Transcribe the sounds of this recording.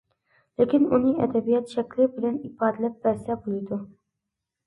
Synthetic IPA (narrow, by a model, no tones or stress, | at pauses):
lekʲinunɪʔɛ̰d̪ɛbijɑt̪ʃɛkʲlɪbɪlɛnibɑːd̪ɪlɛp̚bæsɛbolˠɪjd̪u